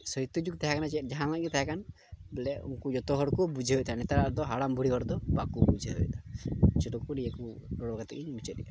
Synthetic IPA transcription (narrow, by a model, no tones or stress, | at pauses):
sɦit̪ud͡ʒuk̚t̪aɦakanat͡ʃɛt̚ˀd͡ʒaɦãlaʔɡɛt̪aɦakan | bɛlɛṵŋkud͡ʒɔt̪ɔɦɔɽkɔbud͡ʒʱeɦɔjt̪anɛt̪aɾaɾd̪ɔɦaɽambʱuɽiɔɾd̪ɔbakubud͡ʒʱeɦɔ̰jt̪ḁt͡ʃɛʈɔkuɖijaku | ɾɔɽaɡat̪ɛk̚iɲmit͡ʃɔiʔa